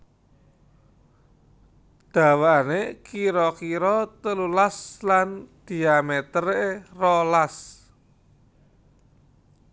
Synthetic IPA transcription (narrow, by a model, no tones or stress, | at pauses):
d̪̥a̤waanekiɾɔkiɾɔt̪əlulasland̪̥i̤amet̪ərerɔlas